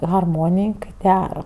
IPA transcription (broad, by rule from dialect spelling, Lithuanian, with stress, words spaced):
ɣɐrˈmoːnʲɪj kɐɪ ˈdʲæːrɐ